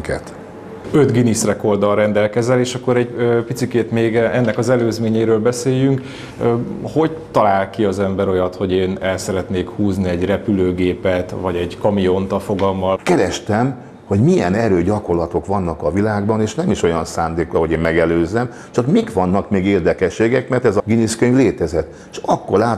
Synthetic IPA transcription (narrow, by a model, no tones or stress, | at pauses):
kɛt̪ | øt̪ɡinisrɛko̞rd̪ɒlɾɛnd̪ɛlkɛzɛleːʃɒkːoɾɛɟøpit̪sikeːt̪meːɡɛnːɛkɒzɛløːzmeːɲeːɾøːlbɛseːjyŋkː | ho̞ɟt̪ɒlaːlkiɒzɛmbɛɾo̞jɒt̪ho̞ɟeːnɛlsɛɾɛt̪neːkhuːzniɛɟrɛpyløːɡeːpɛt̪vɒɟɛɟkɒmijo̞nt̪ɒfoɡɒlmːɒlkɛɾɛʃt̪ɛm | ho̞ɟmijɛnɛɾøːɟɒko̞rlɒt̪o̞kʋɒnːɒkɒvilaːɡbɒneːʃnɛmiʃo̞jɒnsaːnd̪eːkrɒɦo̞ɟeːmmɛɡɛløːzɛm | t͡ʃɒkmikʋɒnːɒkmeːɡeːrd̪ɛkɛʃːeːɡɛkmɛrt̪ɛzɒɡiniskøɲɡleːt̪ɛzɛt̪ː | ʃɒkːo̞ɾaː